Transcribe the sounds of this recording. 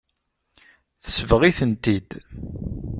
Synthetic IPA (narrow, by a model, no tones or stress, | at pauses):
θə̥svʁiθənt̪id̪